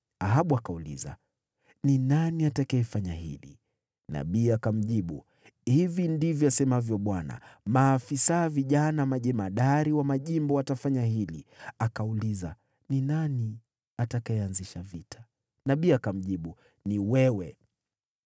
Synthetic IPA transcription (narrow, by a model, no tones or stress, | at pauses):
aɦaɓuakaulḭza̰ | ninaniatakaɛfaɲahḭlḭ | na̰ɓiːakam̩ʄiɓṵ | hivindivjɔasɛmavjɔɓwana̰maːfisaviʄanamaʄɛmaɗaɾiwamaʄimbɔatafaɲaɦilḭakauliza | ninani | atakaɛanziʃavitʰḁ | naɓiakam̩ʄiɓu | niwɛwɛ